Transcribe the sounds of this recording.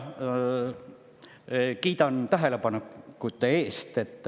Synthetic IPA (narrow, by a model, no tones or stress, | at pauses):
kiːt̪ɑnt̪æɦelepɑnekːut̪ːˑeeːst̪et̪ːˑ